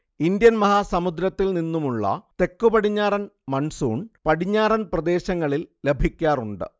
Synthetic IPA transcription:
ind̪jɐnmɐɦaːsɐmud̪ɾɐt̪ːilninːumuɭːɐ̰t̪e̞kːubɐɽiɲːaːɾɐnmɐɳsuːɳpɐɽiɲːaːɾɐnprɐd̪e̞ːɕɐŋːɐɭille̞bʱikʲːaːruɳɖɨ̰

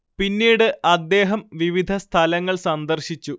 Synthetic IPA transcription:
pinːiːɽɨʔɐd̪ːe̞ːɦɐmʋiʋid̪ʱɐst̪ʰɐlɐŋːɐɭsɐnd̪ɐrɕit͡ɕːu

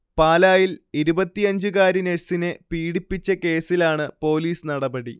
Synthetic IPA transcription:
paːlaːjiliɾubɐt̪ːijɐɲd͡ʑukaːɾineɻsinepiːɽipːit͡ɕːɐke̞ːsilaːɳɨpo̞ːliːsnɐɽɐbɐɽḭ

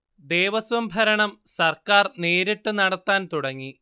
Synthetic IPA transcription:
d̪e̞ːʋɐsʋɐmbʱɐɾɐɳɐmsɐrkaːrne̞ːɾiʈːɨnɐɽɐt̪ːaːnt̪uɽɐŋːi

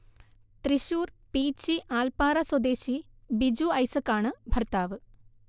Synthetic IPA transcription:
t̪ɾiɕuːr | piːt͡ɕːiʔaːlpaːɾɐswɐd̪eːɕi | bid͡ʑuɐjsɐkːaːɳɨbʱɐrt̪aːʋɨ

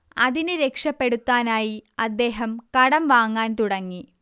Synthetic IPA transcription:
ɐðinɨɾe̞kʂɐpːe̞ɽut̪ːaːnaːjiɐd̪ːe̞ːɦɐmkɐɽɐmʋaːŋːaːnt̪uɽɐŋːi

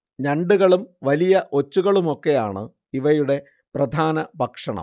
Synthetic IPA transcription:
ɲɐɳɖuɣɐɭumʋɐlijɐʔo̞t͡ɕːuɣɐɭumo̞kːe̞jaːɳɨ | iʋɐjuɽe̞ | prɐd̪ʱaːnɐbʱɐkʂɐɳɐ̰mm

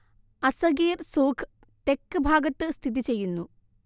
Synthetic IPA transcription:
ɐsɐɡeːrsoːkʰ | t̪e̞kːɨbʱaːɡɐt̪ːɨst̪ʰiðit͡ɕe̞jːunːu

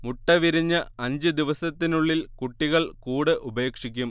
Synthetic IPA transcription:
muʈːɐʋiɾiɲːɐɐɲd͡ʑɨd̪iʋɐsɐt̪ːinuɭːilkuʈːiɣɐɭkuːɽɨʔube̞ːkʂikʲːum

